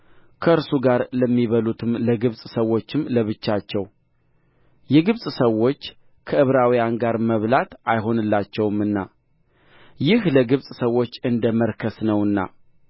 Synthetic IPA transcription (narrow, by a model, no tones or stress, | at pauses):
kʰəɨɾsuɡaɾləmːiβəlut̪ʰɨmləɡɨβsʼsəwːo̞t͡ʃːɪmləβɨt͡ʃːat͡ʃːɛw | jɛɡɨβsʼsəwːo̞t͡ʃː | kʰəɨβɾawijanɡaɾməβlat̪ajɦo̞nɨlːat͡ʃːɛwmɨnːa̰ | jɪhləɡɨβsʼsəwo̞t͡ʃːɨnd̪əməɾkʰəsnəwɨnːa̰